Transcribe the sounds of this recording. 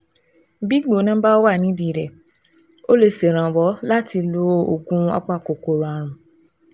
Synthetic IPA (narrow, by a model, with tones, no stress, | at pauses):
bi˦ɡ͡bo˨˦nã˦ba˦wa˦˨nĩ˨˦di˨ɾɛ˨ | o˦le˧se˨ɾ̃ã˨wɔ˨˦la˦ti˧lo˦o̰˨ɡũ˦a̰˦k͡pa˦˨ko˨ko˨ɾo˨a˨ɾ̃ũ˨